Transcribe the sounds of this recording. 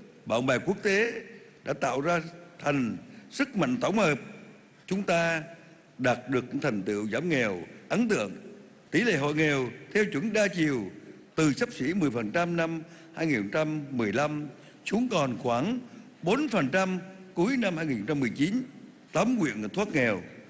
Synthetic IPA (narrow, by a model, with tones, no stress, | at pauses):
ɓa̰ː˧˨wŋ͡mɓaː˨˩ku˦˥ək̚t̪e˨˦ɗa̰ː˧˥t̪a̰ː˧˨wzaː˧t̪ʰa˨˩jŋ̟sɨ˦˥k̚ma̰˧˨jŋ̟t̪ʰə˧˩wŋ͡mhəː˨˩p̚ | t͡ɕʊ˨˦ŋ͡mt̪aː˧ | ɗaː˨˩t̚ɗɨ˨˩ək̚ɲɨ̰˧˥ŋt̪ʰa˨˩ŋ̟t̪ɨ̰˧˨əwzaː˧˦mŋɛ˨˩wʔə˨˦nt̪ɨ̰˧˨əŋ | t̪i˧˩˦lḛ˧˨ɦo̰˧˨jŋɛ˨˩wt̪ʰɛ˧wt͡ɕwə˧˩nɗaː˧t͡ɕi˨˩əw | t̪ɨ˨˩sa˦˥p̚si˧˩˥mɨ˨˩əjfə˨˩nt͡ɕa˧mna˧mhaː˧jŋi˨˩nho˨˧˩ŋ͡mt͡ɕa˧mːɨ˨˩əjla˧m | su˨˦əŋkɔ˨˩nxwaː˧˩ŋ | ɓo˨˦nfə˨˩nt͡ɕa˧mku˨˦jna˧mhaː˧jŋi˨˩nhŋ͡mt͡ɕa˧mɨ˨˩əjt͡ɕi˨˦n | t̪ə˨˦mkwḭ˧˨ən˨˩t̪ʰwaː˦˥t̚ŋɛ˨˩w